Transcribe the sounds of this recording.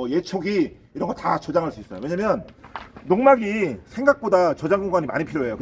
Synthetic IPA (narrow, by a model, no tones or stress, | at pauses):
je̞t͡ɕʰoɡi | iɾʌnɡʌtat͡ɕʌd͡ʑaŋɦaɭs͈uis͈ʌjo̰we̞ɲamjʌnnoŋmaɡisʰe̞ŋɡak̚p͈odat͡ɕʌd͡ʑaŋɡoŋɡwaɲima̰ɲipʰiɾjoɦe̞jokɯ